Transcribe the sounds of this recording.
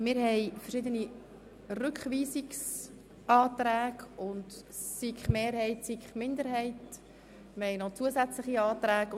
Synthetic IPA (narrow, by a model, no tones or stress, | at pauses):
mɪːɾhɛɪfəɾʃɪdəni | rʏkχviːsiks | ʔɑːt̪ɾæːɡʊnt | sikχmeːɾhɛɪtsikχmɪnd̪əɾɦɛɪt | mɪɾhɛjnot͡suəzɛt͡slɪχiɑːt̪ræːɡ